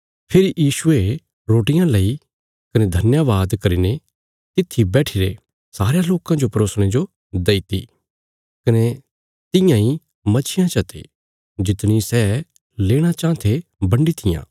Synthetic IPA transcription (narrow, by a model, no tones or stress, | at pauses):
pʰɪɾijiːʃʊe | ɾoːʈɪjãlɐi | kɐned̪ʱɐnjaʋaːd̪kɐɾine | t̪ɪt̪ʰːibɛːʈʰɪɾe | saːɾejaloːkãd͡ʒopɐɾoːsɽ̃ed͡ʒo | d̪ɐit̪ḭ | kɐne | t̪ɪjãi | mɐt͡ʃʰɪjãt͡ʃɐt̪ḛ | d͡ʒɪt̪ɽ̃isɛ | leːɽ̃at͡ʃãːt̪ʰebɐ̃ɳɖit̪ʰɪjã̰ː